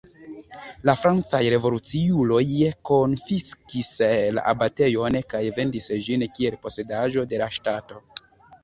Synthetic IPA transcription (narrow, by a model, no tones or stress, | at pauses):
lafɾant͡sajɾe̞vo̞lut͡siulo̞jeko̞nfiskisla̰ʔa̰bate̞jo̞nkajve̞ndisʒinkie̞lpo̞se̞daʒo̞de̞laʃtato̞